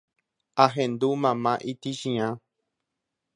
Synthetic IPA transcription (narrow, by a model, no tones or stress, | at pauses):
aɦẽnd̪umãmãʔit̪iʃĩã